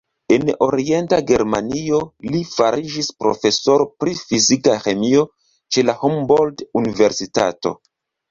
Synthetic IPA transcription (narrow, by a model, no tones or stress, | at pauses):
e̞no̞ɾie̞ntaɡe̞ɾma̰nio̞lifaɾid͡ʒispɾo̞̰fe̞so̞ɾo̞pɾifizikaxe̞mio̞ | t͡ʃe̞lahomboldunive̞ɾsita̰to̞̰